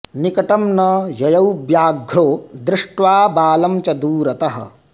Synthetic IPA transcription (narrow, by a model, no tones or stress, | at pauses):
nikɐʈɐmnɐjɐjɐwbjaːɡʱɾoːd̪ɾɪʂʈʋaːbaːlɐmt͡ʃɐd̪uːɾɐt̪ɐɦɐ̰̆